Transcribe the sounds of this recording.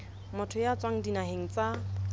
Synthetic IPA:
mʊtʰʊjat͡swaŋ̩dinaheŋ̩t͡sa

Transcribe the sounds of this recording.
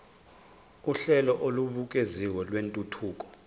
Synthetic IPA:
uɬɛlɔʔoluɓuk̬ʼeziwɛlwentʼutʰuːk̬ʼɔ̥

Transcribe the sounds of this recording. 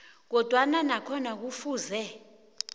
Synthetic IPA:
k̬ɔd̥ʱwananakʰɔnak̬ufuːzɛ

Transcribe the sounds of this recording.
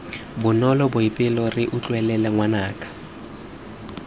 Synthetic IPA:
bʊnɔlɔbʊipʼɪlɔrɪʔʊt͡ɬʼwɛlɛlɛŋwanaːkʼḁ

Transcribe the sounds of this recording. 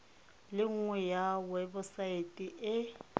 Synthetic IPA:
lɪŋ̩ŋwɛjawɛbʊsaetʼiʔɪ

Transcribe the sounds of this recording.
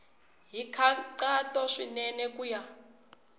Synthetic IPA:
ɦikʰaǀatʼɔʂinɛnɛkuːja

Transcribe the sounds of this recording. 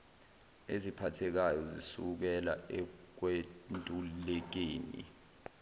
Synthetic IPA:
ezipʰatʰɛk̬ajɔzisuk̬ɛlaɛk̬wentʼulɛk̬eːnḭ

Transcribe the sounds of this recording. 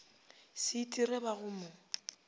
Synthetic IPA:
sɪtʼirɛbaɣʊmʊ

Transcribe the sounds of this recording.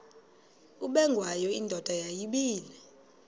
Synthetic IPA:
uɓɛŋɡʱwajɔindʱɔd̥ʱajajiɓiːlɛ

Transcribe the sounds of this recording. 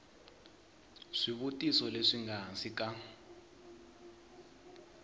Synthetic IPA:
ʂiβutʼisɔleʂiŋɡansik̬ʼa

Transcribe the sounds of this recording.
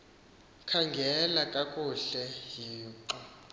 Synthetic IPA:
kʰaŋɡʱɛlakʼakʼuɬɛjiːǃɔ

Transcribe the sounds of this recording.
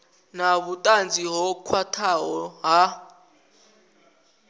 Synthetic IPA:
naβutʼand͡ziɦɔkʰwatʰaɦɔɦa

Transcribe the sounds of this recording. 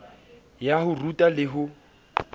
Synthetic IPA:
jahʊrutʼalɪɦʊ

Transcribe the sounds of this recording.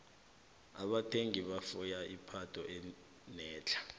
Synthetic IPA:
aɓatʰeŋiɓafujaʔipʰatʰʼɔʔɛ | nɛːt͡ɬʰḁ

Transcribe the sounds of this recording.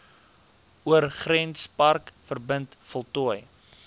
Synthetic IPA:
uərχrɛnspɐrkfərbəntfɔlˠtɔəj

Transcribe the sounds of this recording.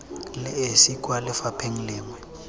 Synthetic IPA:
lɛesikʼwalɪfapʰeŋ̩leːŋwɛ

